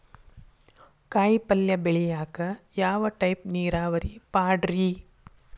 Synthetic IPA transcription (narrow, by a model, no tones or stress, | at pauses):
kaːjpɐljɐbɛɭɛjaːkɐjaːʋɐʈɐjpniːɾaːʋɐɾipaːɖɐɾi